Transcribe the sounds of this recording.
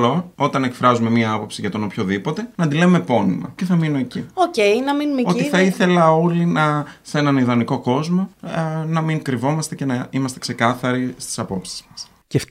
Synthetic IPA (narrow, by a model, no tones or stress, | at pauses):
lo̞o̞t̪ɐne̞kfɾɐzume̞mɲɐɐpo̞psiʝɐt̪o̞nopçoðipo̞t̪e̞nɐd̪ile̞umepo̞nḭmɐ̰ce̞θɐminoeciocejnɐminumeoiθɐiθe̞lɐo̞linɐse̞nɐniðɐniko̞ko̞zmonɐmiŋkɾivo̞mɐst̪e̞ce̞nɐimɐst̪e̞kse̞kɐθɐɾist̪i̥sɐpo̞psi̥zmɐs | ce